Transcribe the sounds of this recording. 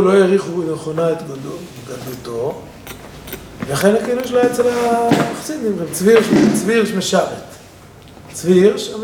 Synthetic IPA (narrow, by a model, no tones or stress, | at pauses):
lojeʁiχuneχonaet̪ɡado | ɡadut̪o | velaχenakiluʃlaet͡selamaχsid̪imʁimt͡sviʁʃt͡sviʁʃmeʃavet̪ | t͡sviʁʃam